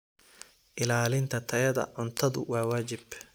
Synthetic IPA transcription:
ʔɪlaːlɪnt̪ʰɐt̪ʰɐjɐðɐ̰ʕʊnt̪ʰɐðʊ̰wɑːwaːd͡ʒɪb

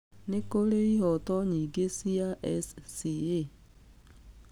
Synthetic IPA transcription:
nekoɾeiɦɔtɔɲiɡesiaʔɛssie

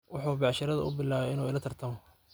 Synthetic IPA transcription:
wɑħuːbɑʕʃɐɾɐðɐʔʊ̰bɪlːaːβɛɪnuːɪlɐt̪ʰɐrt̪ʰɐmɔ

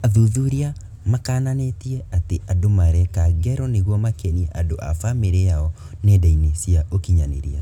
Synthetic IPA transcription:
aðuðuɾia | makaːnanetiɛateʔadomaɾɛkaɣɛɾɔneɣwɔmakeniɛʔadoʔa̰fameɾejaɔ | nedainesiaʔokiɲanḛɾia

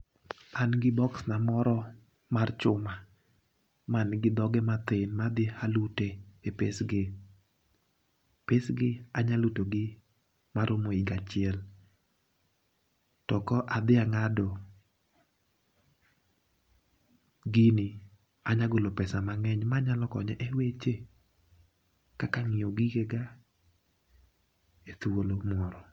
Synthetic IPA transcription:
anɡɪbɔksnamɔɾɔ | mart͡ʃʊma | manɡɪd̪ɔɡɛmat̪ɪnmad̪ɪhaluteepesɡe | pesɡɪaɲalutoɡɪ | maɾʊmoiɡat͡ʃɪɛl | tɔkɔʔad̪ɪaŋadɔ | ɡɪnɪ | aɲaɡolopɛsamaŋɛɲmaɲalɔkɔ̰ɲɛʔewet͡ʃe | kakaŋɪjoɡɪɡeɡa | et̪uolomɔɾɔ

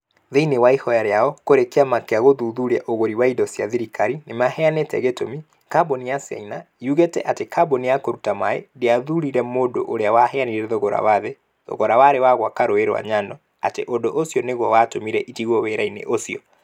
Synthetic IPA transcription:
ðeinewaihɔjaɾeaɔkoɾekeamakeaɣoðuðuɾaʔoɣoɾiwaidɔsjaðiɾikaɾinemahɛanetɛ̰ɣetomi | kabonijasa̰ina | juɣetɛ̰ʔatekʰabonijakoɾutamaḛdeaðuɾiɾɛmoːdo̰ʔoɾeawahɛaniɾɛðoɣoɾa̰waðe | ðo̰ɣɔɾawaɾewaɣwakaɾoeɾwa̰ɲanɔ | a̰tḛʔodoʔosiɔneɣwɔwatomiɾɛʔitiɣwɔweɾainḛʔosiɔ

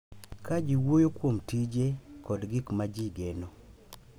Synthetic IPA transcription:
kad͡ʒiwojokwomtid͡ʒekɔdɡikmad͡ʒiɡeno

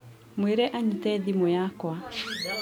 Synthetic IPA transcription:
mweɾɛʔaɲitɛdimojakwa

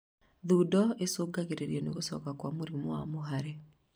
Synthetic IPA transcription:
ðuːdɔesoːɡaɣeɾeɾiɛneɣosɔ̰ːkakwamoɾimowa̰moɦaɾe

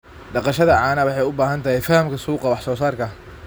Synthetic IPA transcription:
ɖɑqɑʃɐðɐʕɑːnɐwɑħɑjʊbaːɦɐnt̪ʰɐɦɛjfɐhɐmkʰɐsuːqɑwɑħsɔːsaːrkʰɐ

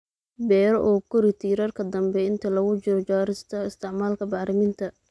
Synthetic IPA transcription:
bɛːɾɔʔɔːkʰʊɾɪt̪ʰiːɾarkʰɐd̪ɐmbɛɪnt̪ʰɐlɐɣʊt͡ʃɪɾɔt͡ʃaːɾɪst̪ʰɐɪst̪ʰɪʕmaːlkʰɐbɑːɾɪmɪnt̪ʰɐ

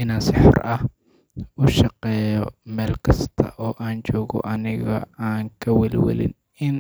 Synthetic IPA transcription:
ʔɪnaːnsɪħɔ̰rɐh | ʊʃɑqɛːjɔmɛːlkʰɐst̪ʰɐ̰ʔɔːʔaːnt͡ʃɔːɣɔ̰ʔɐnɪɣɐ̰aːŋkʰɐwɛlwɐ̰lɪ̰n | ɪn

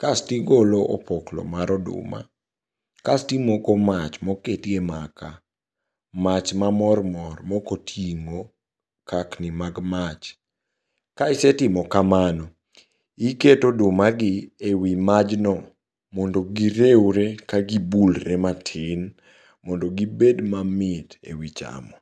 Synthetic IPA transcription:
kastiɡoloʔɔpɔklɔ̰maɾɔdʊ̰ma̰ | kastimɔkɔmat͡ʃmɔketiemaka | mat͡ʃmamɔrmɔrmɔkotʰiŋo | kʰaknɪmaɡmat͡ʃ | kaɪsɛtɪmɔkamanɔ | iketodʊmaɡɪewimad͡ʒnɔ | mɔndoɡiɾewɾekaɡibulɾɛmatʰɪn | mɔndoɡibedmamɪtḛwit͡ʃa̰mɔ

